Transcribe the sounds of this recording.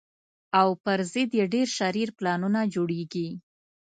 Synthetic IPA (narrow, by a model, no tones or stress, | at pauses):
awpəɾzɪd̪jeɖeɾʃaɾiɾplɑnunad͡ʒoɽeɡi